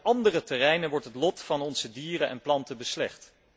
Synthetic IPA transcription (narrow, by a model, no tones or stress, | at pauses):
ʔɑndərətɛrɛjnənʋɔɹtɦətlɔtfɑnɔnz̥ədiːrənʔɛ̰nplɑntəbəslɛχt